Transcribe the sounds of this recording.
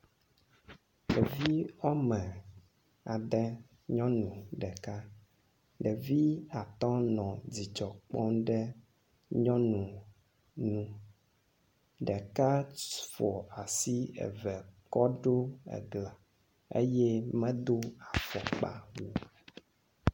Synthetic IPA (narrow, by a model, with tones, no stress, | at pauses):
ɖɛ˨vi˦ɔ˦mɛ̃˨ | a˨ɖɛ˦ | ɲɔ̃˦nũ˨ɖɛ˨ka˦ | ɖɛ˨vi˦a˨t̪ɔ̃˦nɔ̃˨d͡zi˨t͡ʃɔ˨k͡pɔ̃˦ɖɛ˦ | ɲɔ̃˦nũ˨ | nũ˦ | ɖɛ˨ka˦fɔ˨a˨si˦ɛ̰˨vɛ˨kɔ˦ɖo˦ɛ̰˨ɡla˨ | ḛ˦jɛ˦mɛ̃˦d̪o˦a˨fɔ˨k͡pa̰˦wu˦